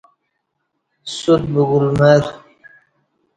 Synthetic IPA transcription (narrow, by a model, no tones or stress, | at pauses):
sut̪̚buɡulmeɾ